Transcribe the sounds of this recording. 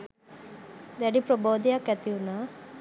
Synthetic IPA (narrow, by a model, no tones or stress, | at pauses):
d̪ɛɖipɾɔboːd̪ijakɐt̪iuna